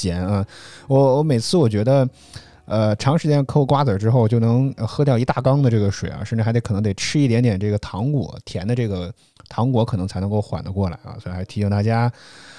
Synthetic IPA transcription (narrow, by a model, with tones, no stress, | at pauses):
t͡ɕjɛ˧˥nə˥˧wɔ˧˥wɔ˧˥me˨˩ɪt͡sʰɹ̩˥˩wɔ˨˩t͡ɕɥɛ˧˥d̪ə˧ | ə˧ʈ͡ʂʰɑ˧˥ŋʂɻ̩˧˥t͡ɕjɛ˥˧kʰkwa˥t͡sə˞˨˩ʈ͡ʂɻ̩˥xo˥˩ʊt͡ɕjo˥˩ʊnɤ˧˥ŋə˧xɤ˥˧t̪̬jɑ˥˩ʊi˧˥t̪a˥˩kɑ˥ŋd̪ə˨˧ʈ͡ʂɤ˥˩ɡə˩ʂwḛ˨˩ɪɐ̰˧˦ʂʈ͡ʂɻ̩˩˧˥t̪e˧˥kʰn˧˥t̪e˨˩ɪʈ͡ʂʰɻ̩˥i˥˩t̪jɛ˧˥nt̪jɛ˨˩nʈ͡ʂɤ˥˩ɡə˩t̪ʰɑ˧˥ŋkwɔ̰˧˥˦t̪ʰjɛ˧˥nd̪ə˧ʈ͡ʂɤ˥˩ɡə˩ | t̪ʰɑ˧˥ŋkwɔ˧˥kʰnɤ˧˥ŋt͡sʰa˧˥ɪnɤ˧˥ŋko˥˧ʊxwa̰˨˩nd̪ə˦kwɔ˥˩la̰˧˥ɪɐ̰˧sɔ˧˥˧xa˧˥t̪ʰi˧˥ɕi˥˧ŋt̪a˥˩t͡ɕja˥